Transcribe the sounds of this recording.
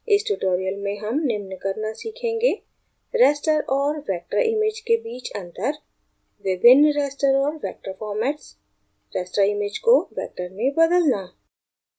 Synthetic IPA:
ɪsʈuʈoːɾijəlmẽɦɐmnɪmnkəɾnasiːkʰẽːŋɡe | ɾɛːsʈəɾɔːɾʋɛːk̚ʈɾəɾʔɪmɪd͡ʒkebiːt͡ʃɐ̃nt̪əɾ | ʋɪbʱɪnːɾɛːsʈəɾɔːɾʋɛːk̚ʈɾəfɔːɾmɛːʈs | ɾɛːsʈɾaɪmɪd͡ʒkoʋɛ̰ːk̚ʈəɾmẽbɐd̪əlnaː

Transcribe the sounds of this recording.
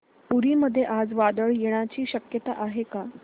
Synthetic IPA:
puɾiːməd̪ʱːjeʔad͡zʋad̪əɭjeɽ̃at͡ɕiːɕəkjət̪a̰ʔaɦeka

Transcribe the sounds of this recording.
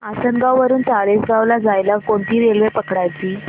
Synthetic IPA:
asənɡawʋəɾuːnt͡saɭesɡawlad͡zajlakoɳt̪iːɾelʋepəkɽajt͡ɕiː

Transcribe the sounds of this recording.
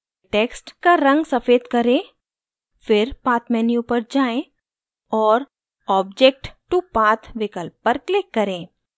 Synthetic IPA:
ʈeːksʈkaɾɐ̃ŋɡsɐfeːd̪kɐɾẽ | fɪɾpaːt̪ʰmɛːnijũpɐɾd͡ʒaːẽ | ɔːɾ | ɔːbd͡ʒek̚ʈʈupaːt̪ʰʋɪkəlp̚ːɐɾklɪkːɐɾẽː

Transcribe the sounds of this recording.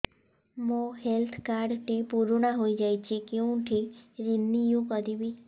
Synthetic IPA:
mõhelt̪ʰkaɾɖʈipuɾoɳaɦoid͡ʒajt͡ʃʰekeũʈʰiɾinːijũkəd̪ibi

